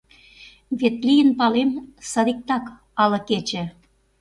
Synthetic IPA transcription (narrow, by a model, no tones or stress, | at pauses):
βet̪lijənpɑlemsɑɾik̚t̪ɑk | ɑlɤ̆ket͡ɕĕ